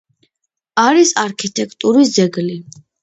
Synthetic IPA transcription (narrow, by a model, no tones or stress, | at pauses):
aɾisaɾkʰit̪ʼʰɛkʰt̪ʼuɾis̬d̪zɛɡli